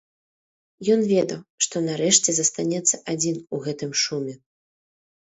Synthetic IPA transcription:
jɔnvʲɛd̪ɐwʂt̪ɔnaɾɛʂt͡sʲɛzɐst̪anʲɛt̪sːɐʔad͡zʲinuɣɛt̪ɨmʂumʲɛ

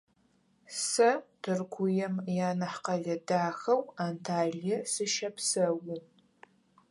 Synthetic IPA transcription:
sɐtʰɨrɡʷʊjɛmjaːnɐħqɐɮɐdaːxɐwaːntʰaːɮjɛsɨʃɐpʰsɐwʊ

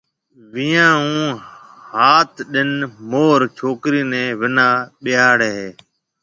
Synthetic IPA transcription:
ʋɪjãːɦũː | haːt̪ɗɪnmoːɾt͡ʃʰoːkɾiːnɛ̃ːʋɪnaːɓɪjaːɽeː

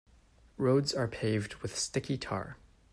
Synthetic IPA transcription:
ɹoʊdzə˞pʰeɪvd̚wɨð̥stɪkitʰɑ̰ɹ

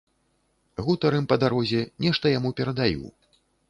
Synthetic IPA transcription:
ɣut̪ɐɾɨmpɐd̪aɾɔzʲɛnʲɛʂt̪ɐjamupʲɛɾɐd̪ajṵ

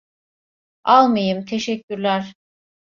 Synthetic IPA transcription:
alˠmɯjɯmt̪ʰe̞ʃɛcʰːyɾlʲæɾ̥

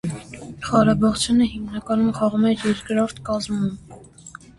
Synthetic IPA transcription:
χɑɾɑbɑʁt͡sʰjunəhimnɑkɑnumχɑʁumɛjɛɾkɾɔɾt̪ʰkɑzmum

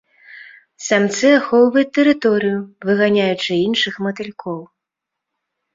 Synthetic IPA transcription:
samt̪sɨaxɔwvɐjut̪ːɛɾɨt̪ɔɾɨjuvɨɣanʲajut͡ʂɨinʂɨxmɐt̪ɨlʲkʰɔw

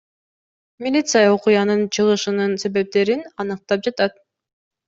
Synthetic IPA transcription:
mʲilʲit̪sɨjɑoqujɑnɯnt͡ʃʰɯʁɯʃɯnɯnse̞βe̞p̚t̪e̞ɾinɑnɯq̚t̪ɑp̚d͡ʒɑt̪ɑt̪̚

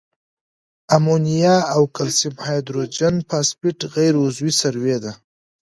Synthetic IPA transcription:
amonijɑawkalsibhajd̪ɾod͡ʒanpʰɑspɪʈɣajɾʊzwisaɾwed̪a

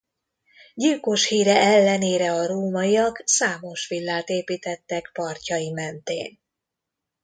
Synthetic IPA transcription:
ɟilko̞ʃhiːɾɛɛlːɛneːɾɛɒɾoːmɒijɒksaːmo̞ʃʋilːaːt̪eːpiːt̪ɛt̪ːɛkpɒrcɒjimɛnt̪ḛːn

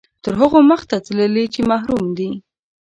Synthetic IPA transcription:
t̪əɾɦəɣoməxt̪at͡sələlit͡ʃemaɦɾumd̪i

